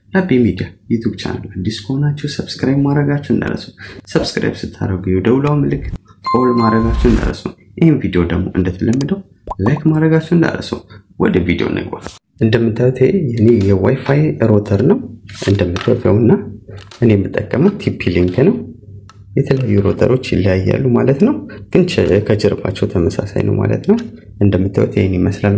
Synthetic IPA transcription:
labemid̪ijajɛt̪ʰuɡt͡ʃʰa̰na̰lːuʔad̪ːiskʰəhonat͡ʃːɛwsəbskɾajbmaɾəɡat͡ʃːɛwɨnd̪a̰ɾə̰səwsəbskɾa̰jbsɨt̪ʰːa̰ɾəɡuwd̪əwlawmlɨkːkʼolmaɾəɡat͡ʃːɛnd̪a̰ɾə̰səw | ʔɪhemvid̪ijo̞d̪əɡmo̞̰ʔɨnd̪ət̪ʰələmːəd̪əw | lajkmaɾəɡat͡ʃːɛwɨnd̪a̰ɾə̰sə̰w | wɔd̪ɨmvid̪io̞̰nə̰ɡba̰ | ʔɨnd̪əmːɨt̪ʰːawt̪ʰeɨnejɛwajfajɾo̞t̪ʰəɾnəwʔɨnd̪əmːɨt̪ʰːawt̪ʰjawnːaʔɨnemːɨt̪ʼːəkʼːəməwt̪ʰipʰːiliŋknəw | jɛt̪ʰələjajːuɾo̞t̪ʰə̰ɾo̞t͡ʃːjɪlːəjajːa̰lːumalət̪nəwɡ̥ɨnt͡ʃʰkʰəd͡ʒəɾba̰t͡ʃːɛwt̪ʰəməsa̰sa̰jnʔə̰wma̰lə̰t̪nəw | ʔɨnd̪əmːɨt̪ʰːa̰wt̪ʰeniməslal

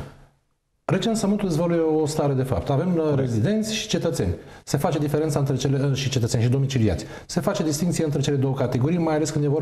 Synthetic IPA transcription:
re̞t͡ʃe̞nt̪səmɨnt̪uld̪ezvolujeost̪aɾe̞d̪e̞fa̰p̚t̪ave̞mre̞zid̪e̞nt̪sʲʃi̥t͡ʃe̞t̪ət̪se̞̰nʲse̞fat͡ʃe̞d̪ife̞ɾent̪aɨnt̪ɾe̞t͡ʃeleʃit͡ʃe̞t̪ət̪senʃid̪o̞mit͡ʃilia̰t̪sʲ | se̞fat͡ʃe̞d̪ist̪iŋkt̪sijeɨnt̪ɾet͡ʃe̞le̞d̪o̞wəkat̪eɡo̞ɾijmajaleskɨnd̪jevo

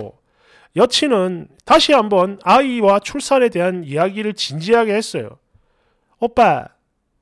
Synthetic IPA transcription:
jʌt͡ɕʰinɯntaɕʰiɦambʌnaiwat͡ɕʰuɭs͈ʰane̞de̞ɦanijaɡiɾɯɭt͡ɕind͡ʑiɦaɡe̞ɦe̞s͈ʌjo̰ | ʌp͈a

